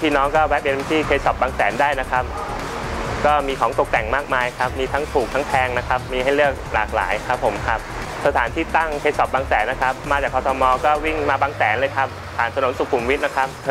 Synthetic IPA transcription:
t̪ʰiː˥˩nɔː˦˥ŋkɔː˥˩wɛ˦˥p̚pe˧nt̪ʰiː˥˩kʰe˧˥sɔ˨˩p̚baː˧ŋsɛː˩˦ndaː˥˩jna˦˥kʰa˦˥p̚ | kɔː˥˩miː˧kʰɔː˩˦ŋt̪o˨˩k̚t̪ɛ˨˩ŋmaː˥˩k̚maː˧jkʰa˦˥p̚miː˧t̪ʰa˦˥ŋt̪ʰuː˨˩k̚t̪ʰa˦˥ŋp̪ʰɛː˧ŋna˦˥kʰa˦˥p̚miː˧ɦa˥˩jlɯ˥˩ək̚la̰ː˨˩k̚la̰ː˩˦jkʰa˦˥pʰːo˩˦mkʰa˦˥p̚ | sa˧t̪ʰaː˩˦nt̪ʰiː˥˩t̪a˥˩ŋkʰeː˦˧˥sɔ˨˩p̚baː˧ŋsɛː˩˦nːa˦˥kʰa˦˥p̚maː˧t͡ɕaː˨˩kʰɔ˧t̪ʰɔː˧mɔː˧kɔː˥˩wi˥˩ŋmaː˧baː˧ŋsɛː˩˦nlɤː˧jkʰa˦˥p̚ | pʰaː˨˩nt̪ʰa˧no˩˦nsu˨˩kʰu˨˩mwi˦˥t̪̚na˦˥kʰa˦˥p̚

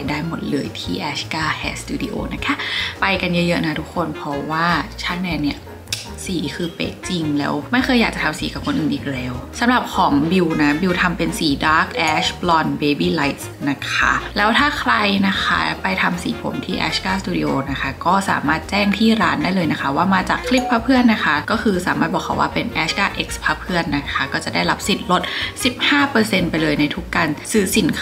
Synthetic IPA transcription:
a˧jdaː˥˩jmo˨˩t̪̚lɤː˧jt̪ʰiː˥˩ʔɛː˦˥skaː˥˩hʰɛː˨˥st̪uː˧dḭ˧˩ʔo̰ː˧na˦˥kʰa˦˥pa˧jka˧njɤ˦˥jɤ˦˥na˦˥t̪ʰu˦˥kʰːo˧npʰɔ˧˥waː˥˩t͡ɕʰaː˥˩k̚nɛː˧ni˥˩ɐ | siː˩˦kʰɯː˧pḛ˦˥t̪̚t͡ɕi˧ŋlɛ̰ː˦˥wma˥˩jkʰɤː˧jaː˨˩k̚t͡ɕa˨˩t̪ʰa˧msiː˩˦ka˨˩kʰo˧nʔɯː˨˩nʔːk̚lɛː˦˥wsa˨˦mɾa˨˩p̚kʰɔː˩˦ŋbi˧wna˦˥bi˧wt̪ʰa˧mpe˧nsiː˩˦daː˦˥k̚ʔɛː˦˥ɕplɔ˧nbeː˧biː˧˩la˦˥jt̪̚sna˦˥kʰa̰˦˥lɛː˦˥wt̪ʰaː˥˩kʰɾa˧jna˦˥kʰa̰˦˥pa˧jt̪ʰa˧msḭː˨˩˦pʰo̰˩˦mt̪ʰiː˥˩ʔɛ̰ː˦˥skaː˥˩st̪uː˧dḭ˧ʔoː˧na˦˥kʰa˦˥kɔː˥˩sa̰ː˩˦maː˥˩t̪̚t͡ɕɛː˥˩ŋt̪ʰiː˥˩ɾaː˦˥ndaː˥˩jlɤː˧jna˦˥kʰa˦˥waː˥˩maː˧t͡ɕaː˨˩kʰːli˦˥pʰːaː˦˥pʰɯ˥˩ənːa˦˥kʰa˦˥kɔː˥˩kʰɯː˧saː˨˩˦maː˥˩t̪̚bɔː˨˩kʰa̰˧˦waː˥˩pe˧nʔɛː˨˦˥skaː˥˩ʔe˦˥k̚spʰaː˦˥pʰɯ˥˩ənːa˦˥kʰa˦˥kɔː˥˩t͡ɕa˨˩da˥˩jɾa˦˥p̚si˨˩t̪̚lo˦˥t̪̚si˨˩p̚haː˥˩pɤː˧se˧npa˧jlɤː˧jna˧jt̪ʰu˦˥kːa˧nsɯː˨˦si˩˦nk

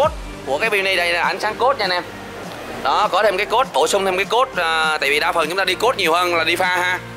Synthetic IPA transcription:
o˦˥t̚ | ku˧˩əkaː˨˦jɓi˧wni˧ɗə˧jlaː˨˩ʔa˨jŋ̟saː˨˦ŋko˦˥t̚ɲaː˧nɛ˧m | ɗɔ˨˦kɔ˨˦t̪ʰe˧mkaː˨˦jko˦˥t̚ɓo˧˩sʊ˧ŋ͡mt̪ʰe˧mkaː˨˦jko˦˥t̚əː˨˩t̪a̰ː˧˨vi˨˩ɗaː˧˩fə˨˩nt͡ɕʊ˨˦ŋ͡mt̪aː˧ɗi˧ko˦˥t̚ɲi˨˩əwhəː˧nlaː˨˩ɗi˧faː˧haː˧

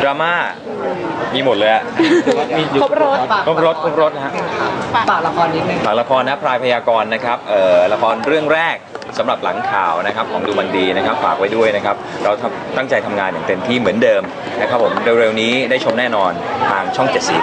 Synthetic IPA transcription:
dɾaː˧maː˥˩ | miː˧mo˨˩t̪̚lɤː˧jla˨˩˧ | o˥o˦˥kʰo˦˥p̚ɾo˦˥t̪̚kʰo˦˥p̚ɾo˦˥t̪̚ɦa˦˥ʔ | a˨˩k̚la˧kʰɔː˧nːiː˦˧pʰaː˨˩la˧kʰɔː˧nːa˦˥pʰɾaː˧jpʰa˧jaː˧kɔː˧nːa˦˥kʰa˦˥p̚ʔɤː˨˩la˧kʰɔː˧nɾɯ˥˩əŋɾɛː˥˩k̚ | sa˩˦mɾa˨˩p̚la̰˩˦ŋkʰaː˨˩wna˦˥kʰa˦˥p̚kʰɔː˩˦ŋduː˧ma˧ndiː˧na˦˥kʰa˦˥p̚fa̰ː˨˩k̚wa˦˥jdu˥˩əjna˦˥kʰa˦˥p̚ɾa˧wt̪ʰa˧mt̪a˥˩ŋt͡ɕa˧jt̪ʰa˧mŋaː˧nja˨˩ŋt̪e˧nt̪ʰiː˥˩mɯ˩˦əndɤː˧m | na˦˥kʰa˦˥pʰːo˩˦mɾe˧wɾe˧wniː˦˥daː˥˩jt͡ɕʰo˧mnɛː˥˩nɔː˧nt̪ʰaː˧ŋt͡ɕʰɔ˥˩ŋt͡ɕe˨˩t̪̚si˨˩

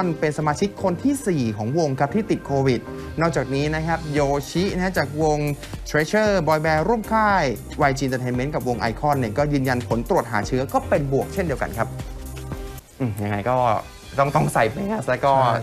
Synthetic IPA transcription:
npe˧nsa˧maː˧t͡ɕʰi˦˥kʰːo˧nt̪ʰiː˥˩siː˨˩kʰɔː˩˦ŋwo˧ŋkʰa˦˥p̚t̪ʰiː˥˩t̪i˨˩t̪̚kʰoː˧wi˨˩t̪̚ | nɔː˥˩k̚t͡ɕaː˨˩k̚niː˦˥na˦˥kʰa˦˥p̚joː˧t͡ɕʰi˦˥na˦˥a˥t͡ɕaː˨˩k̚wo˧ŋ | t̪ʰɾeː˦˧˥t͡ɕʰɤː˥˩bɔː˧jbɛː˧ɾu˥˩əmkʰaː˥˩j | wa˧jt͡ɕi˧nt̪əː˧t̪ʰeː˧nme˦˥nka˨˩p̚wo˧ŋʔa̰˧jkʰɔ˥˩nːi˥˩ɐkɔː˥˩jɯː˧nja˧npʰo˩˦nt̪ɾu˨˩ət̪̚ɦaː˩˦t͡ɕʰɯ˦˥ɐkɔː˥˩pe˧nbu˨˩ək̚t͡ɕʰe˥˩ndi˧əwka̰˧nkʰa˦˥p̚ | ʔɯː˨˩ja˧ŋːa˧jkɔː˥˩ | t̪ɔ˥˩ŋt̪ɔ˥˩ŋsa˨˩jpa˧jŋa˧˩slɛː˦˥kɔː˥˩

